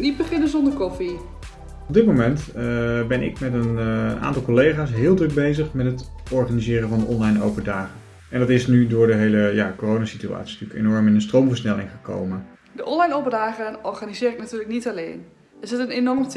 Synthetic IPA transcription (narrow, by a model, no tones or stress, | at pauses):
nit̚bəχɪnəzɔndərkɔfi | ɔb̚dɪt̚mowmɛntbɛnɪ̰kmɛtəna̰ːntɑlˠkolejχaːsɦɪːlˠdrɵk̚bejzəχmɛtɦət | ɔɹχaːnizɪːrəvɑndəʔɔnlɑjno̰wpədaːχən | ɛndɑtɪsnydʊːɹdəɦejləjaːkorownasitya̰ːtsi̥styːkḛnɔɹmɪnənstrowmvəɹsnɛlɪŋχəko̰wmən | dəʔɔnlɑjnowpədaːχənɔrχanizɪːɾɪknatyːrləknitalḛːn | ɛzɪtənenɔrmt